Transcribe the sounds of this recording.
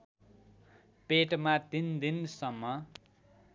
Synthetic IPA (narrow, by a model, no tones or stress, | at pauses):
peʈmat̪ind̪insʌmːʌ